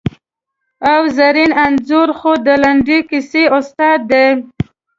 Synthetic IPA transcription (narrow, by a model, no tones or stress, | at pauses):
awzaɾinanzʊɾxod̪əlaɳɖikɪseʊst̪ɑd̪ːe